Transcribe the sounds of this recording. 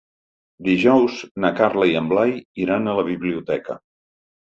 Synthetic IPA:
d̪iʒɔwznəkaɾləiəmblajiɾanələβ̞iβliut̪ɛkə̰

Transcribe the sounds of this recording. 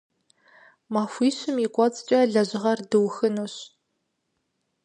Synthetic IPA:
maxʷiːɕɪmikʷʼɔt͡sʼt͡ʃʼɐɮɐʑɪʁɐrdɨwxɨnuɕ

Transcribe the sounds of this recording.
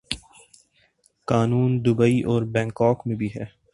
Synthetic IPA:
kaːnuːnd̪ʊbəiʔɔːɾbɛ̃ːŋkɔːkmẽbʱiɦɛː

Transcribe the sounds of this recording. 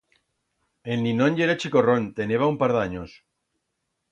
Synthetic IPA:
enːinonʝeɾat͡ʃikoront̪eneβ̞aumpaɾðaɲos

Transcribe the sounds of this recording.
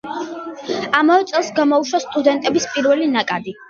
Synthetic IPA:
amavɛt̪sʼɛlˠsɡamɔuʃwast̪ʼud̪ɛnt̪ʼɛbispʼiɾvɛlinakʼad̪i

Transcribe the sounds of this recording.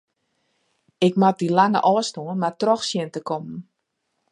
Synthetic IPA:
ɪkmat̚dilaŋə̰ʔɔːstoənmartrɔxsjɪntəkɔmn̩

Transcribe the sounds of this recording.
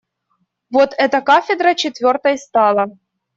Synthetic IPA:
vot̪ɛt̪əkafʲɪd̪ɾət͡ɕɪt̪vʲo̞rt̪əjst̪ɑlˠə

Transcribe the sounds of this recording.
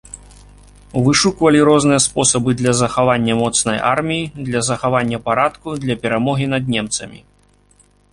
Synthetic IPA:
vɨʂukvɐlʲiɾɔznɨjɐspɔsɐbɨd̪lʲɐzɐxavanʲːɐmɔt̪snɐjʔa̰rmʲijid̪lʲɐzɐxavanʲːɐpaɾat̪kud̪lʲɐpʲɛɾamɔɣʲin̪ɐd̪̚nʲɛmt̪sɐmʲḭ

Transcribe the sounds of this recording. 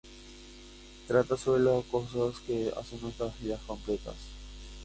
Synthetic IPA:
t̪ɾat̪asoβɾelaskosaskea̰senest̪ɾazβiðasko̞mplet̪a̰s

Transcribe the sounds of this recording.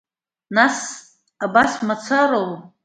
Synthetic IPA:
nas | abasmat͡sʰaɾow

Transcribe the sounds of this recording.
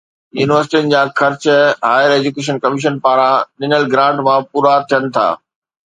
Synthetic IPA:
jṵːnɪʋəɾs̬ʈiənɪ̆d͡ʑãːxɐɾt͡ɕɦaːjɪəɾeːd͡ʑukeːʃ̬ənkɐmɪʃ̬ənpaːɾãɗɪnəlɡɾãːʈmãpuːɾat̪ʰijənɪ̆t̪ʰa̰ː

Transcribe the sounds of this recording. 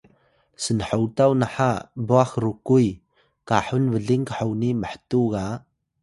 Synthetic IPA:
sənħawtawnaħaboaxɾukuj | kaħunvəɮiŋkəħawniməħə̥tuɡa

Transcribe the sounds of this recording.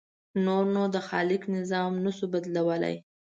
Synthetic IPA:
noɾnod̪əxɑ̰lɪknɪzɑmnasubad̪lawəla̰j

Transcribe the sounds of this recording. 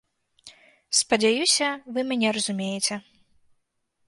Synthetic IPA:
spɐd͡zʲajusʲɐvɨmʲanʲɛɾɐzumʲejɛt͡sʲɛ

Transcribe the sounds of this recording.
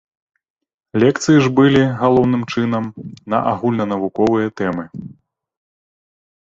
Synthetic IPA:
lʲɛkt̪sɨjiʐbɨlʲiɣalˠɔwnɨmt͡ʂɨn̪ɐmnɐ̰ʔaɣulʲnɐnɐvukɔvɨjɐt̪ɛmɨ

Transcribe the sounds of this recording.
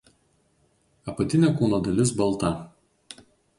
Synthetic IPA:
ɐpɐt̪ʲɪnʲɛˑkuːnoːd̪ɐlʲɪs̬bɐlˠˑt̪ɐ

